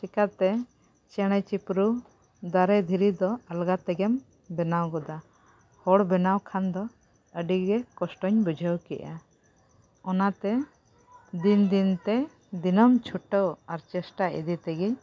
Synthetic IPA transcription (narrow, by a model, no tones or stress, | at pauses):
sikat̪ɛ | t͡ʃɛɽ̃ət͡ʃipɾu | d̪aɾɛd̪ʱiɾid̪ɔalɡat̪ɛɡɛm | bɛnawɡɔd̪a | hɔɽbɛnawkʰand̪ɔ | əɖiɡɛkɔsʈɔɲbud͡ʒʱəwkɛ̰ʔa | ɔnat̪ɛ | d̪ind̪int̪ɛ | d̪inɔmt͡ʃʰuʈəwaɾt͡ʃɛsʈaḭd̪it̪ɛɡi